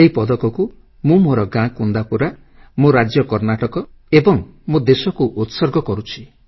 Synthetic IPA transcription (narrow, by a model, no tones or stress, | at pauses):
eɦipɔd̪ɔkɔku | mũmoɾɔɡãkund̪apuɾa | moɾad͡ʒjɔkɔɾnaʈɔkɔ | ebɔŋmud̪esɔkuʔut̪sɔɾɡʱɔkɔɾut͡ʃʰi